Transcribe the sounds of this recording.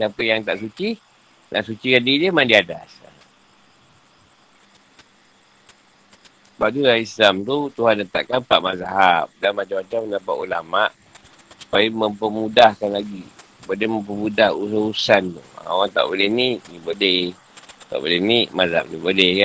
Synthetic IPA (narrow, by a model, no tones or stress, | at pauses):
napəjaŋt̪aʔsut͡ʃi | nʔa̰ʔsut͡ʃikadidiəmandiadasa | əbaʔ̚t̪udaislamt̪ut̪uɦanːət̪aʔkanpaʔmazaɦap̚danmat͡ʃamat͡ʃamənapaʔulamaʔ | su̥pajəməmpəmudahkanlaɡi | bodɛhməmp̬əmudahusəusant̪ṵa̰o̰ɣaŋt̪a̰ʔbolehninibodɛh | t̪a̰ʔbo̰lenimazaa̰p̚nibolɛhka